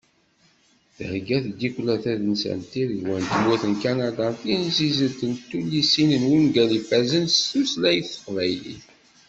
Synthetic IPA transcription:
θhɡæθɡikʷlæθæðənsæ̰nt̪iðwænt̪muθənkanad̪ɑθinzizəlt̪ənt̪ːulːisinənwinɡælifæzənstuslæjəθə̥qvæjlḭ

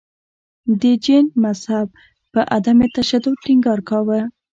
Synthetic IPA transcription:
d̪əd͡ʒenmazhab̚ | pəʔad̪amet̪aʃad̪ʊd̪̚ʈiŋɡɑɾkawə

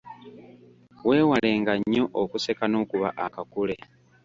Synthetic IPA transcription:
we̞ːwale̞ːŋɡaɲːo̞ʔokuse̞kano̞ːkuβa̰ʔakakule̞

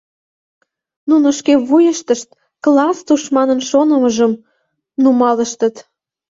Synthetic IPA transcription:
nunoʃkeβujəʃt̪əʃt̪̚ | klɑst̪uʃmɑnənʃonəməʒəm | numɑləʃt̪ət̪

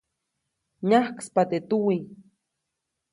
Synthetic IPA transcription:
ɲahkspat̪et̪uwi

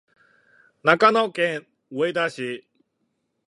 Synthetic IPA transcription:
nakanɔkẽ | wejd̪aɕi

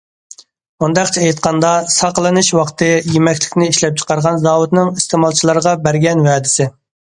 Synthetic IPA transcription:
und̪ɑqt͡ʃʰɛejt̪̚qʰɑnd̪ɑsɑqəlˠɨnɨʃwɑqt̪ʰɨjemɛkʲlɪkʲnɪiʃlɛp̚t͡ʃʰə̥qɑɾʁɑnzɑːwut̪nɨŋist̪ʰeːmɑlˠt͡ʃʰilˠɑɾəʁɑbæɾɡʲɛnwɛːd̪ɪsɪ

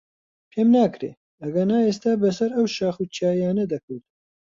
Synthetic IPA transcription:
pʰeːmnaːkɾḛː | ɐɡɐnaːeːst̪aːbɐsɐɾɐwʃaːxut͡ʃʰiaːjaːnɐd̪ɐkʰɨwt̪

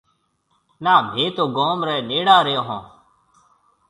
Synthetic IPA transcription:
naːbʱeːt̪oːɡoːmɾɛːneːɽaːɾəjõːɦõː

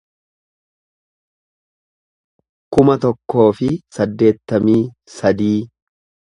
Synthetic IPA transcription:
kʊmɐt̪ɔkːo̞ːfɪsɐd̪ːe̞ːt̪ːɐmiː | sɐd̪iː

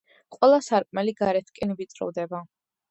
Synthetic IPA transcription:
qʼwɛlˠasaɾkʼmɛliɡaɾɛt̪ʰkʼɛnvit̪sʼɾɔ̰vd̪ɛba

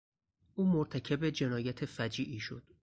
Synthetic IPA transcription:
ʔuːmoɾt̪ʰæcʰebe̞d͡ʒe̞nɒːjæt̪ʰe̞fæd͡ʒiːʔiːʃo̞̰d̪̥

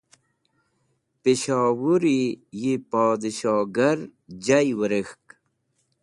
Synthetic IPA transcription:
piɕaːwuɾijipaːd̪iɕaːɡɐɾd͡ʑajwəɾexk

